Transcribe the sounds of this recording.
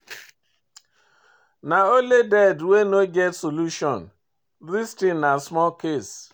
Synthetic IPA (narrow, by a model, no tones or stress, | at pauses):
naoledɛdwenoɡɛtsoluʃɔn̩ | ɾistɪnasmɔlkes